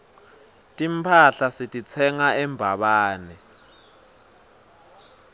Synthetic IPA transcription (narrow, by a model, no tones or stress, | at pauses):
tʼimpʰaɬasitʼit͡sʰɛŋaɛmbʱaɓaːnɛ